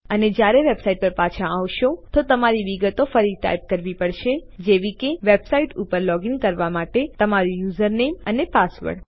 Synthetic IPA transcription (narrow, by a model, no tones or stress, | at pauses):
əned͡ʒjaɾeʋebsaiʈ̚pəɾpat͡ʃʰãaʋʃot̪ot̪əmaɾiʋiɡət̪ofəɾiʈa̰jp̚kəɾʋipəɽʃed͡ʒeʋikeʋebsaiʈupəɾlɔɡiŋɡkəɾʋamaʈet̪əmaɾũjuzəɾnemənepasʋə̰ɖ